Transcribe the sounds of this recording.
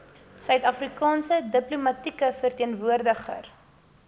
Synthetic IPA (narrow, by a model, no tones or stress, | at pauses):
sœɥtɐfrikɑːnsədəplumɐtikəfərtiənvuərdəχə̰r